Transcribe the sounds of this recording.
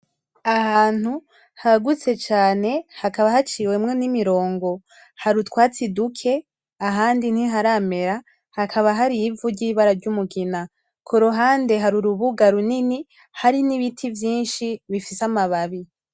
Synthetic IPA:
ahaːn̥hu | haɡut͡se̞t͡ʃaːne̞hakaβaɦat͡ʃiːwe̞mŋe̞nimiɾo̞ːŋɡo̞ | haɾutkwaːt͡sidukʰe̞ | aɦaːndin̥hiɦaɾaːme̞ɾa | hakʰaβaɦaɾivuɾɟiːβaɾaɾɟumuɡina | kʰoɾoɦaːnde̞ɦaɾuɾuβuɡaɾunini | haɾiniβitʰivjiːnʃiβifisamaβaβi

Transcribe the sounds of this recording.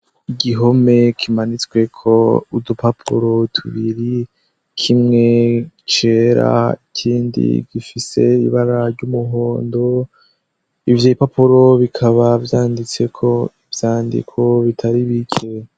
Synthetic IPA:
iɡiɦo̞me̞kʰimanit͡swe̞kʰo̞udupapʰṵɾo̞tʰuβiɾi | kʰimŋe̞ | t͡ʃe̞ɾa̰a̰icʰiːndḭɡifise̞ḭβaɾaɾɟumuɦo̞ːndo̞ | ivjeːipapuɾo̞βikʰaβavjaːndit͡se̞kʰo̞ivjaːndḭkʰo̞βitʰaɾiβikʰe

